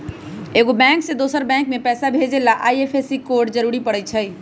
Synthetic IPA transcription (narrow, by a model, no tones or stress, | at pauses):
eɡobɛ̃ŋksẽd̪osəɾbɛ̃ŋkmepɛsabʱed͡ʒelaʔajepʰesikoɾɖd͡ʒəɾuɾipəɽɛt͡ʃʰəj